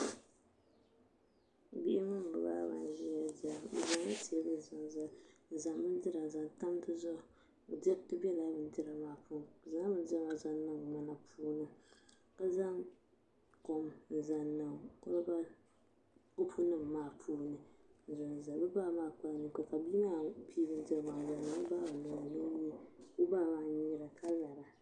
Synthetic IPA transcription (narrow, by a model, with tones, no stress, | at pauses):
bi˦ʔɪ˦mɨ˦m˨bɨ˨ba̰ː˦ba̰˨n˦ʒi˦ja˦d͡ʒa̰˨za˨ŋ˦a˦ti˨ɛ˦bɨ˦˨zʊ˨n˨za˨n̩˨za˨ŋ˦bɨ˦n˦dɨ˦ɾa˨n˨za˨n˨ta˦m˦tɨ˦zɔ˦˨ | dɛ˦tɨ˦bɛ˦la˦bɨ˨n˦dɨ˦ɾa˨maː˨puː˦˨za˦ŋ˦bɨ˦n˦dɛ˦ma˨za˦nɨ˦ŋma˦na˨pʰuː˦nɨ˦ | ka˦za˦ŋ | ko˨mn̩˨za˨nːɨ˨ŋko˦ɨ˦ba˦ | ʊ˦pʰu˦nɨ˦˨mː˨aː˦˨pʰuː˦nɨ˨n̩˨zʊ˨n˨za˨bɨ˦ba˦˨maː˦˨k͡pa˦˨nɨ˨ko˨ka˨bi˦ma˦pʰi˦bɨ˦n˦dɛ˦˨maː˨za˨a˨˦ɨ˦ba˦a˨nʊ˨nɨ˦ɲi˦bu˦baː˦˨maː˨ɲi˦ɾa˨kʰa˦la˨ɾa˨